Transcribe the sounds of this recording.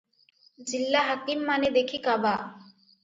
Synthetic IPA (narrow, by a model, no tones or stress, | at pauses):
d͡ʑilːaɦakimːaned̪ekʰikaba